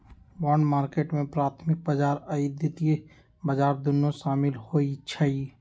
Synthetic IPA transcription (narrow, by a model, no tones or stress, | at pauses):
bɔːɳɖmaːɾkeːʈmẽpɾaːt̪ʰmɪk̚bəd͡ʒaːɾəid̪ɪt̪ie | bəd͡ʒaːɾd̪ʊnːõʃaːmɪlhoit͡ʃʰəi